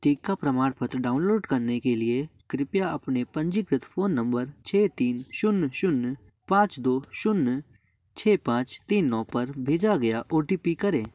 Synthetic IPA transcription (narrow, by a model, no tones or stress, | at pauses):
ʈiːkapɾɐmaːɽpɐt̪ɾɖaːʊnloːɖkɐɾnekeliekɾɪpjaɐpnepɐ̃ɲd͡ʒɪkɾɪt̪ʰfʰoːnːɐ̃mbəɾt͡ʃʰɛːt̪iːnʃʊnːʃʊnː | pãːt͡ʃd̪oːʃʊnː | t͡ʃʰɛːpãːt͡ʃt̪iːnːɔ̃ːpɐɾbʱeːd͡ʒaɡɐjaʔoːʈiːpikɐɾẽː